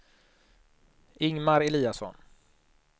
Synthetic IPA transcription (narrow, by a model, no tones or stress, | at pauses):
ɪŋmaɾɛliːasɔ̰n